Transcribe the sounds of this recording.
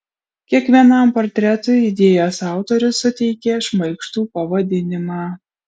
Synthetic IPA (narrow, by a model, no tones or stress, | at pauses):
kʲiɛkʋʲiɛnɐˑmpɔɾʲt̪ʲɾʲɛt̪ʊɪɪd̪ʲeːjoːsɑˑʊt̪oɾʲʊsːʊt̪ʲɛɪkʲeʃmɐɪkʃt̪uːpɐʋɐd̪ʲɪnʲɪmɑː